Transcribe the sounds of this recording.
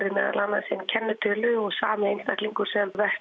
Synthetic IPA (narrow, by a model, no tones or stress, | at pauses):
ɾɪmɛ̰ːða̰lanːasɪncʰɛnːʏt̪ʰʏːlʏɔɣsaːmɪejnst̪ahkliŋkʏɾ̥sɛmvɛh